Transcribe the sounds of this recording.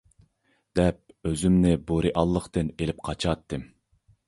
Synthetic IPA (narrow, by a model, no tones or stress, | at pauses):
d̪̥ɛp̚øzymnɪboɾiʔɑlˠːəqt̪ɨnelɪp̚qʰɑt͡ʃʰɑt̪ːɨm